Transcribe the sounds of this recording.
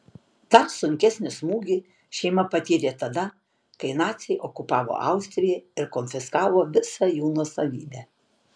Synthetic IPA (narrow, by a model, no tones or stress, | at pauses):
t̪ɐsʊŋʲkʲɛsʲnʲɪsmuːɡʲiː | ʃʲɛɪmɐpɐt̪ʲiːɾʲeːt̪ɐd̪ɐ | kɐɪnɑːt̪sʲɛɪʔokʊpɑːʋo̰ʔɐ̰ʊsʲt̪ʲɾʲɪjɛɪɾkonʲfʲɪskɑːʋoːʋʲɪsɐjuːnoːsɐʋʲḭːbʲæː